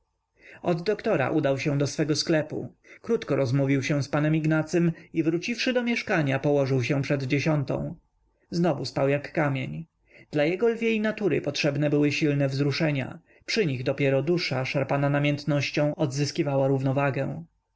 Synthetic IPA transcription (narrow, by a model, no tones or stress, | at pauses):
ɔd̪ːɔkt̪ɔɾa̰ʔud̪awɕɛ̃d̪ɔsfɛɡɔsklɛpṵ | kɾut̪kɔɾɔzmuvʲiwɕɛ̃spanɛmiɡnat̪sɘmivɾut͡ɕifʂɘd̪ɔmʲjɛʂkaɲapɔwɔʐɘwɕɛ̃pʂɛd̪d͡ʑeɕɔnt̪ɔ̰̃w̃ | znɔvuspawjakːamʲjeɲ | d̪̥lajɛɡɔlvʲjeinat̪uɾɘ̰pɔtʂɛbnɛbɘwɘɕilnɛvzɾuʂɛɲa̰ | pʂɘɲiɣd̪ɔpʲjɛɾɔd̪uʂaʂaɾpananamʲjɛnt̪nɔɕt͡ɕɔ̃w̃ɔd̪zɘskʲivawaɾuvnɔvaɡɛw̃